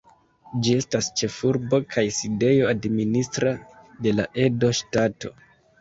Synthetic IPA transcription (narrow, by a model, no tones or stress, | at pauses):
d͡ʒie̞stast͡ʃe̞fuɾbo̞kʰajside̞jo̞administɾade̞laʔe̞do̞ʃtato̞̰